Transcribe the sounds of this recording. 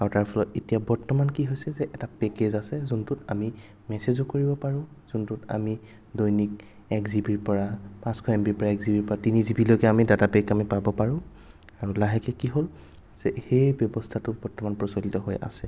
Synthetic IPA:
aɹutaɹpʰɔlɔtetijabɔɹtɔmankiɦojsɛzɛʔɛtapɛkezasɛzuntʊtami | mɛsezɔkoɹibɔpaɹʊ̃ | z̥untʊta̰mi | dojnik̚ | ɛkzibiɹpɔɹapãskʰɔɛmpiɹpɔɹaɛkzibiɹpɔɹatinizibilojkɛamidatapɛkamipabɔpaɹʊ̃ | aɹulaɦɛkɛkiɦol | z̥ɛxejbjɔbɔstʰatʊbɔɹtɔmanpɹɔsɔlitɔɦojʔa̰sɛ

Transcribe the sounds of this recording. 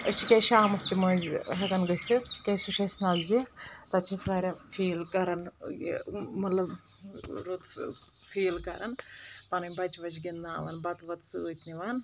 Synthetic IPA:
ət͡ʃʰikʲejʃaːmɐst̪imɐzɦɐkɐnɡəsikʲɐjsuʃɐsnɐzɡit̪ɐt͡ʃʰɐsʋaːɾʲafʰiːlkɐɾɐn̰ | mɐt̪lɐb | ɾut̪ | fʰiːlkɐɾʔɐnpɐnɐmʲbɐt͡ʃʋɐt͡ʃɡind̪aːʋɐnbɐt̪ʋɐt̪sɨəːt̪niʋaːn

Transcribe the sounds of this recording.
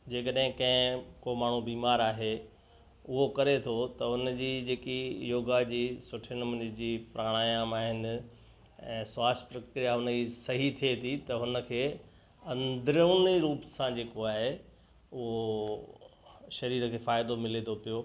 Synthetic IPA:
d͡ʑeːkəɗɦɪ̃kɐ̃ɦɪ̃koːmaːɳ̤ubiːmaːɾaːɦe | ʊɦokɐɾet̪ʰot̪ɐʊnd͡ʑiːd͡ʑeːkijoːɡad͡ʑiːsʊʈʰənɪ̆mɐnɪd͡ʑiːpɾaːɽ̃aːjaːmaːɦɪnɪ̆ | ɛ̰̃ːsaːspɾɐkɾijaɦʊnəd͡ʑisɐɦit̪ʰiet̪ʰit̪ɐɦʊnə̆kʰeː | ɐ̃nd̪ɾniɾuːpsãd͡ʑeːkoaːɦe | ʊɦo | ʃɐɾiːɾkʰeːfaːɪd̪omɪlent̪ʰopijoː

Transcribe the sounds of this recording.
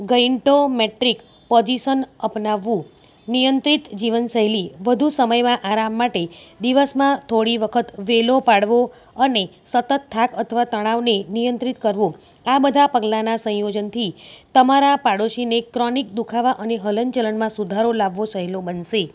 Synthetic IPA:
ɡəiɳʈomeʈɾik | pɔd͡ʒiʃənəpnaʋːũ | nijənt̪ɾit̪d͡ʒiʋənsəɦɛliʋəd̪ʱusəməjmãʔaɾamːaʈed̪iʋəsmãt̪ʰoɽiʋəkʰət̪ʋelopaɽʋo | ənesət̪ət̪ʰːakət̪ʰəʋat̪əɽ̃aʋnenijənt̪ɾit̪kəɾʋõ | abəd̪ʱapəɡlanasə̃jod͡ʒənt̪ʰit̪əmaɾapaɽoʃinekɾɔnik̚d̪ukʰaʋaʔəneɦələnt͡ʃələnmãsud̪ʱaɾolaʋːosəɦɛlobənʃe

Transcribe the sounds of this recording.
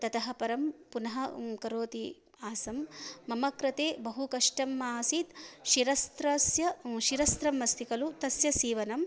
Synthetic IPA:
t̪ɐt̪ɐɦɐ̆pɐɾɐmpunɐɦɐkɐɾoːt̪i | aːsɐmːɐmɐkɾɐt̪eːbɐɦukɐʂʈɐmːaːsit̪ʃiɾɐst̪ɾɐsjɐʃiɾɐst̪ɾɐmːɐst̪ikɐlut̪ɐsjɐsiːʋɐnɐm

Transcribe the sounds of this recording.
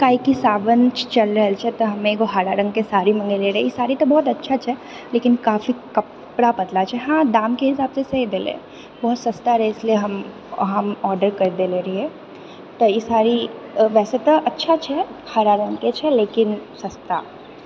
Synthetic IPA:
kaːikisaːʋənt͡ʃt͡ʃɐlɾɐɦɛlt͡ʃʰɛt̪oɦɐmẽkoɦaːɾaɾɐ̃ŋɡkesaːɾimɐ̃ŋɡeleɾɦiɪsaːɾit̪obɔːt̪̬ɐtːʃʰat͡ʃʰɛ | leːkɪnkaːfikɐp | ɽapɐd̪lat͡ʃʰɛɦãːd̪aːmkeɦɪsaːbsesɐɦid̪eːlḛː | bɔːt̪sɐst̪aɾɛɪslieɦɐm | ɦɐmɔːɾɖəɾkɐɾd̪eleɾɐɦiɛ | t̪ojɪsaːɾiʋɛːset̪oʔɐtːʃʰat͡ʃʰɛhaːɾaɾə̃ŋɡket͡ʃʰɛleːkɪnsɐst̪a̰

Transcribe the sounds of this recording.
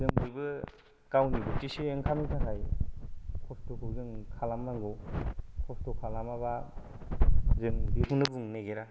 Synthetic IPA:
zɯŋbɯbɯ | kawnibɯtisieŋkʰamitʰakʰaj | kʰɔstokʰɯwzɯŋkʰalamnaŋɡɯwkʰɔstokʰalamaβa | zɯŋbipʰunɯbuŋneɡeɾa

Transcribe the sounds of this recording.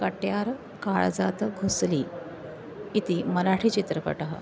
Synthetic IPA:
kəʈjaɾ | kaɭd͡zat̪əɡʱusliː | it̪iːməɾaʈʰiːt͡ɕit̪ɾəpə̰ʈəɦə̰

